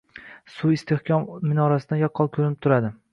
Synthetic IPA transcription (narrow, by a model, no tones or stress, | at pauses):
suɪst̪ʰehkʲʰɒmːɪnɒɾasɪd̪ajɒqʰːɒlˠkʲʰɵɾnɪp̚t̪ʰʊɾad̪ɪ